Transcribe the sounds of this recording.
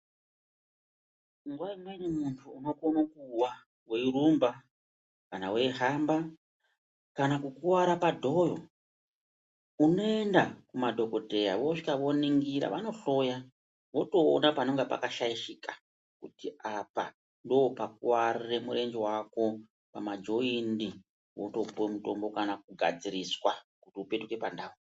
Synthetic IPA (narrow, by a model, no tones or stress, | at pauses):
ŋɡwaimenemuntʰuːno̞konakuwa | weiɾumba | kanawe̞ɦamba | kanakukuwaɾapadʱo̞jo̞̰ | uno̞endakumadʱo̞ko̞dʱe̞ja̰ʋoʂi̥kaʋo̞niŋɡiɾa̰ʋano̞ɬo̞ja | ʋo̞to̞̰ːnapano̞ŋɡepa̰kaʃaiʃika | kutiapa | ndoopak̚uwarire̞muɾe̞nd͡ʒewako̞ | pamad͡ʒo̞indi | woto̞puemuto̞mbo̞kanak̚uɡʱa̰d͡ziɾiswakutiupe̞tuke̞pandaːo